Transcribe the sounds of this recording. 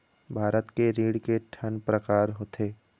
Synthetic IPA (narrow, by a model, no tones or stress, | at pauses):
bʱaːɾət̪keɾiːɽkeʈʰənpɾəkaːɾɦoːt̪ʰeː